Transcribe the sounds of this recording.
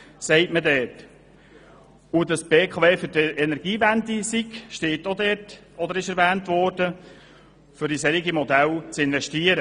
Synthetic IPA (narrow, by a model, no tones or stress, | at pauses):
sɛɪtmədɛːt | udɑsb̥eːkʰɑveːfʏɾtɛnɛɾɡ̥iːvændisiɡʃteːtod̪ɛːt | ɔd̪əɾɪʃɛɾvæːntvɔɾd̥ə | fʏɾisɛɾiɡimɔd̪ælt͡sɪnvɛʃtiəɾə